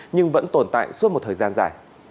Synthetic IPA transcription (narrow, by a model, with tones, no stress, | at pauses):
ɲɨ˧ŋvə̰˧˥nt̪o˨˧˩nt̪a̰ː˧˨jsu˦˥t̚m̚˨˩t̪ʰəː˨˩jzaː˧nzaː˧˩j